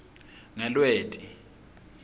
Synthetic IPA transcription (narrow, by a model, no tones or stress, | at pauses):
ŋɛlweːtʼi